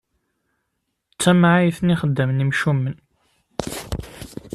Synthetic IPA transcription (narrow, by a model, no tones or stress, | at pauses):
t͡sːæmʕajθniχəd̪ːəmnimʃumːən